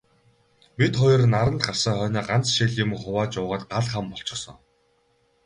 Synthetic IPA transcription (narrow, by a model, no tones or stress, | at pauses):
pit̪χɔjɞ̆rnaɾə̆nt̪ɢar̥saːχœːnaːɢant͡sʃiɮjʊmχʊwaːt͡ɕʊːʁaːt̪̚ɢaɮχampɔɬt͡ɕɪ̆sɞ̰̆ŋ